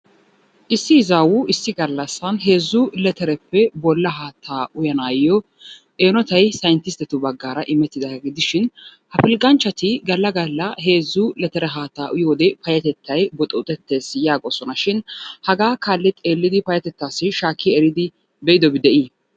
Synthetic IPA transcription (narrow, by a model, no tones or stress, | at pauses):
ʔɪsːɪɪzawʊɪsːɪɡɐlːɐsːɐnɦe̞ːzːʊlɛt̪ɛɾɛpːɛbɔlːɐɦaːt̪ʰːaːʊjɐnaːjɔ | ʔeːnɔt̪ɐjsɐjɪnt̪ɪst̪ɛt̪ʊbɐɡːaːɾɐʔɪmɛt̪ːɪd̪ɐɡɪd̪ɪʃɪnhɐfɪlkʼːɐnt͡ʃːɐt̪ɪɡɐlːɐɡɐlːɐɦe̞ːzːʊlɛt̪ɛɾɛɦaːt̪ːaːʔʊjoːd̪ɛfɐjɐt̪ɛt̪ːɐjbɔt̪ʼɛʊt̪ʼɛt̪ːe̞ːsjaːɡʼɔsɔnɐʃɪnhɐɡaːkaːlːɛt̪ʼe̞ːlːɪd̪ɪpɐjɐt̪ɛt̪ːaːsːɪʃaːkʰːiɛɾɪd̪ɪ | bɛʔɪd̪ɔbɪd̪ɛʔi